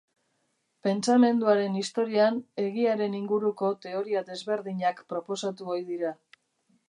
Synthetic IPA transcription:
pe̞nt͡same̞nd̪uaɾe̞nist̪o̞ɾiane̞ɣiaɾe̞niŋɡuɾuko̞t̪e̞o̞ɾiaðe̞zβe̞ɾðiɲakpɾo̞po̞sat̪uojðiɾa

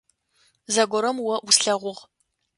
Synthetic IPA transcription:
zɐɡʷɔɾɐmwɐʔusɬɐʁʷʊʁ

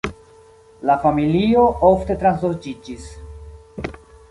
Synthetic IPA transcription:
lafamilio̞ʔo̞fte̞tɾans̬loɾd͡ʒid͡ʒis

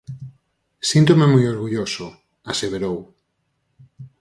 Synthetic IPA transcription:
sint̪omemujoɾɣuʎosʊ | aseβeɾow

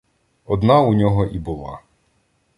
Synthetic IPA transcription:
ɔd̪nɑunʲɔɦɔʔibulˠɑ̰

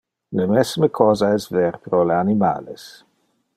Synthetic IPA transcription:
lemɛsməkʰɔːzaɛsvɛɾpɾoleanima̰ːles

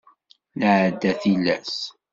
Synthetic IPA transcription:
nəʕd̪ːæθilːæ̰s

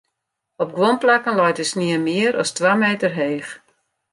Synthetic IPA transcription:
ɔp̚ɡʋomplakənlɔjtəsniəmɪəɾʔɔstʋaːmeːtərɦeːx

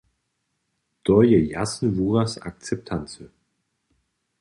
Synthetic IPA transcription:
d̥ɔjəjasn̩vuːʁasa̰k̚t͡sɛp̚tʰant͡sə

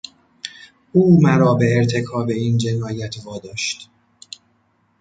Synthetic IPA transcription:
ʔuːmæɾɒːbe̞ːɾt̪ʰe̞kʰɒːbe̞iːnd͡ʒe̞nɒːjæt̪ʰvɒːd̪ɒːʃt̪

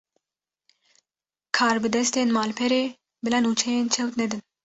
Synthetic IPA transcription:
kʰaːɾbɨd̪ɛst̪eːnmaːlpʰɛɾeː | bɨlanut͡ʃʰɛjeːnt͡ʃʰɛwt̪nɛd̪ɨn

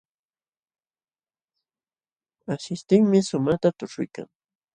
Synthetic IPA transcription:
asɪst̪ɪŋmɪsʊmat̪at̪ʊʈ͡ʂʊjka̰ŋ

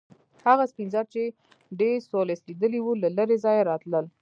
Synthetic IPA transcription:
haɣaspinzɑd̪̚t͡ʃe | ɖeɾsoleslid̪əliwulaləɾezɑjaɾɑt̪ləl

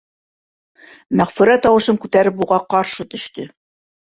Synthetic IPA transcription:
mæʁfʉɾæt̪ɑwɤ̆ʃɤmkʉt̪æɾɘp̬uʁɑqɑɾʃɤt̪ɵ̆ʃt̪ɵ

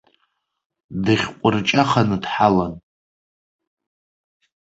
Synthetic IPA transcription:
dɨχʲqʷʼʊrt͡ʃʼaχanɨdħalan

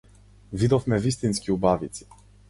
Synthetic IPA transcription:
vʲid̪ɔfmɛvʲist̪inskʲiubavʲit̪s

